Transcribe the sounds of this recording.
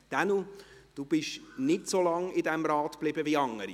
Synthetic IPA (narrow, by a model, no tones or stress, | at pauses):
d̥anud̥uːb̥ɪʃnɪtsolɑŋɪdɛmɾɑːtb̥lɪbəviɑŋːəɾi